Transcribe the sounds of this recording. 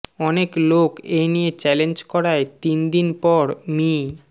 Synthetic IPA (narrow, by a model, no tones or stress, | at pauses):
ɔneklokenijet͡ɕɛlend͡ʑkɔɾaet̪ind̪inpɔɾmi